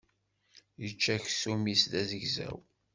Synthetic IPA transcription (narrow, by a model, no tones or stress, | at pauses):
jət͡ʃːæçsumisðæzəʝzæ̰w